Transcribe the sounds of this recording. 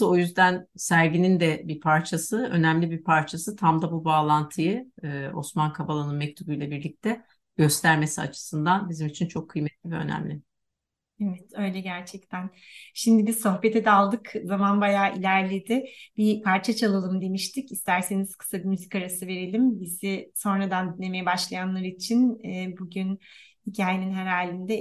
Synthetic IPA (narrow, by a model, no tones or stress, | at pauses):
o̞jyzd̪ænsæɾɟinind̪ɛbiɾpʰaɾt͡ʃʰasɯø̞̰næmlʲibiɾpʰaɾt͡ʃʰasɯt̪ʰamd̪abubaːlˠant̪ʰɯjɯo̞̰smankʰabalˠanɯnmɛc̚t̪ʰubujlʲɛbiɾlʲic̚t̪ʰɛ | ɟ̥ø̞st̪ʰæɾme̞sia̰t͡ʃʰɯ̥sɯnd̪anbizimit͡ʃʰint͡ʃʰo̞kʰːɯjmɛt̪lʲivɛø̞̰næ̰mlʲɪ | ɛvɛt̪ø̞jlʲɛɟæɾt͡ʃʰɛc̚t̪ʰænʃimd̪ibizso̞xbe̞t̪ʰɛd̪ɛalˠd̪ɯkzamanbajaːʔilʲæɾlʲed̪ɪb̥ipʰaɾt͡ʃʰat͡ʃʰalˠalˠɯmd̪e̞miʃt̪ʰicist̪ʰæɾse̞niz̥kʰɯ̥sabimyzicaɾasɯve̞ɾelʲimbiziso̞nɾad̪and̪ynːe̞me̞jɛbaʃlˠajanlˠaɾit͡ʃʰinːbuɟynhicʰaːjeninɦeɾaːlʲːind̪ɛ